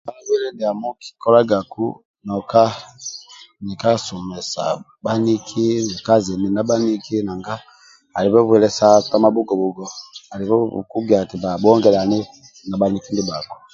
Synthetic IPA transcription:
ba˦wɛ˦lɛ˦di˨a˨mɔ˦ki̥˨kɔ˦la˦ɡa˨kṵ˦ | nɔ˨ka˦ | ni˨ka˦sɔ˨mɛ˨sa̰˨ | ba˦ni˦kʰi˦ni˨ka˦˨zɛ˨mi˨na˦ba˦ni˦ki˦na˨ŋɡa˦ | a˨li˨βɔ˦βɛ˨lɛ˨sa˦ta˦ma˦bu˦ɡɔ˨bu˨ɡɔ˨a˨li˨βɔ̰˦˨ku˦ɡi˨a˨ti˨ba˨bu˦ɔ˦ŋɡɛ˨la˨ni˦ | na˨ba˨ni˨ki˦ndi˦ba˨kɔ̥˨

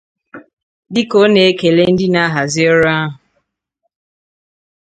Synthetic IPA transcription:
dɪ˦ko˦ne˨e˦ke˨le˦n̩˦dɪ˦na˦ɦa˨zɪ˦o˦ɾa˦a˦ɦʊ˨

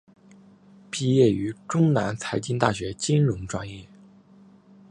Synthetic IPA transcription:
pi˥˧jɛ˥˩y˧˥ʈ͡ʂʊ˥ŋna˧˥nt͡sʰa˧˥ɪt͡ɕi˥nt̪a˥˩ɕɥɛ˧˥t͡ɕi˥nɻʊ˧˥ŋʈ͡ʂwa˥njɛ˥˩

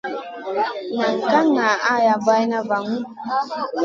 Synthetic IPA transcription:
na˨ŋ˨ka˦ŋna˨ʔa˦˨ja˨ba˦jna˦va˨ŋu˦

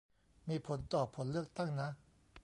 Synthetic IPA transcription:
mi˩˨pʰo˩˨nt̪ɔ˥˨pʰo˩˨lɯ˥˨ʔ̚t̪a˥˨ŋna˨

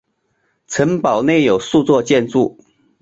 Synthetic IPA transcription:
t͡sʰə˧˥ŋpɑ˨˩ʊne˥˩ɪjo˨˩ʊsu˥˧t͡swɔ˥˧t͡ɕjɛ˥˧nt͡su˥˩

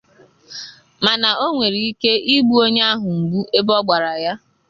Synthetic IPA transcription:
ma˨na˨o˦ŋʷe˨ɾi˨i˦ke˦i˦ɡ͡bu˦o˦ɲe˦a˦ɦʊ˨m̩˨ɡ͡bu˦ʔe˦bɔ˦ɡ͡ba˨ɾa˨ja˦

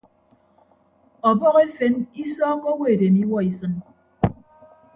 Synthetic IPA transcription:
ɔ˨bɔ˦ɣe˦fe˨˦ni˦sɔː˦ko˦we˦˨de˨mi˦wɔ˦i˨sɨ˦n

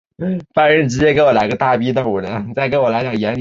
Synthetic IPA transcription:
fa˧˥ɻə˧˥n˩ʈ͡ʂɻ̩˧˥t͡ɕjɛ˥ke˧˥ɪwɔ˨˩la˧˥ɪɡə˧t̪a˥˩pi˥d̪ə˧˩u˨˩lə˧˦˥nt͡sa˥˩ɪk̬e˧˥ɪwɔ˨˩la˧˥t͡ɕjɑ˨˩ŋjɛ˧˥n˧

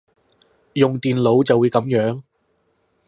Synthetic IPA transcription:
jʊ˨ŋt̪iː˨nlo˨˥wt͡sɐ˨wuː˨˧jkɐ˨˥mjœː˨˥ŋ

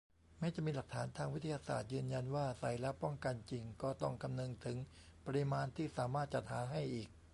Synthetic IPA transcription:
mɛː˦˥t͡ɕa˨˩ʔmiː˧la˨˩k̚t̪ʰaː˩˦nt̪ʰaː˧ŋwi˦˥t̪ʰːa˧jaː˧sa̰ː˨˩t̪̚jɯː˧nja˧nwaː˥˩sa˨˩jlɛ˦˥pɔ˥˩ŋka˧nt͡ɕi˧ŋkɔː˥˩t̪ɔ˥˩ŋkʰa˧mnɤ˧ŋt̪ʰɯ˩˦ŋpa˧ɾi˦˧˥maː˧nt̪ʰiː˥˩saː˩˦maː˥˩t̪̚t͡ɕa˨˩t̪̚haː˩˦ɦa˥˩jʔiː˨˩k̚

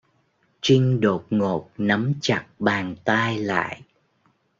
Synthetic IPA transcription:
t͡ɕï˧ŋɗo˨˩t̚ŋo˨˩t̚nə˨˦mt͡ɕa˨˩k̚ɓaː˨˩ŋt̪aː˧jla̰ː˧˨jʔ

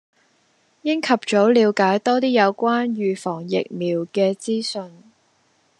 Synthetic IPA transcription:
jɪ˥ŋkʰɐ˨p̚t͡so˨˥wliː˨˧wkaː˨˥jt̪ɔː˥t̪iː˥jɐ˨˧wkʷaː˥nɥyː˨fɔː˨˩ŋjɪ̰˨k̚miː˨˩wkɛː˧t͡siː˥sɵ˧n

